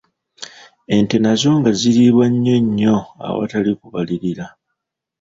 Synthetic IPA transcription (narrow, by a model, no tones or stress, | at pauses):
e̞nte̞nazo̞ːŋɡaziɾiβwaɲːe̞ɲːo̞a̰wa̰talikuβaliɾila